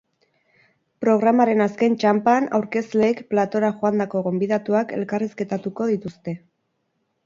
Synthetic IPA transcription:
pɾo̞ɣ̞ɾamaɾe̞naske̞nt͡ʃampana̰wɾke̞sle̞ːkplat̪o̞ɾaʝoand̪ako̞ɣ̞o̞mbiðat̪uake̞̰lkariske̞t̪at̪uko̞ðit̪ust̪e̞

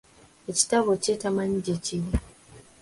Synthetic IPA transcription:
eci̥taβocetamaɲiɟeciɾi

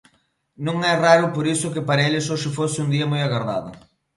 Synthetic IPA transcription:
nõŋɛraɾʊpoɾisʊkɪpaɾɐelɪsoʃɪfosɪund̪iɐmojaɣarða̰ðɐ̰

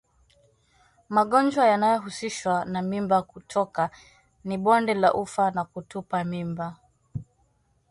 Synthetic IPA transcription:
maɠɔnd͡ʒwajanajɔɦusiʃwanamimbakutʰɔka | niɓɔndɛlaʔufanakutupamimba

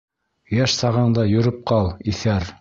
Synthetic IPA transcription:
jæʃsɑʁɤɴd̪ɑjɵ̆ɾɵp̚qɑlˠiθæɾ

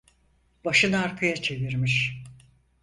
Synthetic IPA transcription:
baʃɯnaɾkʰajat͡ʃʰe̞viɾmiʃ

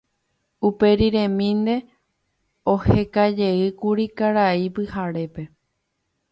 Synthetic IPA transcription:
upe̞ɾiɾẽ̞mĩnd̪e̞ | o̞he̞kad͡ʒe̞ɨkuɾikaɾaipɨhaɾe̞pe̞

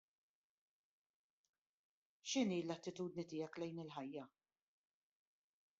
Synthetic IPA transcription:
ʃɪniːlːɐt̪ːɪt̪uːd̪nit̪ɪjɐklɛjnɪlħɐjːɐ

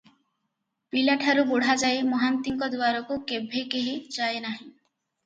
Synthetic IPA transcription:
pilaʈʰaɾuboɽ̤ad͡ʒaemɔɦant̪iŋkɔd̪waɾɔkukebʱekeɦit͡ʃaenaɦĩ

